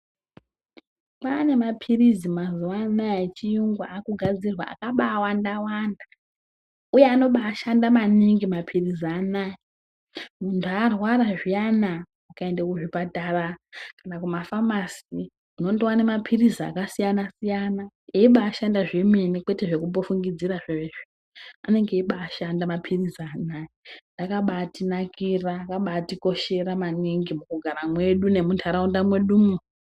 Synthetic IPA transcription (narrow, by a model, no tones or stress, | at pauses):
pane̞mapʰirizimazuwanajit͡ʃijuŋɡwa̰akuɡʱad͡zirwa̰ːkaɓaːwandawanda | ujeano̞ɓaːʃandamaniŋɡimapʰirizianaːji | muntʰuarwaɾaʐijanaː | kae̞ndakuʐipatarakanakumafamasi | uno̞ndowane̞mapʰirizaa̰kasijanasijana | eiɓaːʃandaʐimenikwe̞te̞ʐe̞kumbo̞fuŋɡid͡ziraʐeeʐi | ane̞ŋɡeiɓaːʃandamapʰirizanaindakaɓatinakiraːkaɓatiko̞ʃe̞ɾamaniŋɡimukuɡʱaɾamwe̞ɗune̞muntʰuaɾaundamwe̞ɗumu